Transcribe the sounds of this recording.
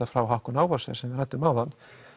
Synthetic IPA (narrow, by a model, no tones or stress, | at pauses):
afɾawɦawhkʏnaːwvasɛ̰̥sɛmvɪðɾajt̪ːʏmawðanː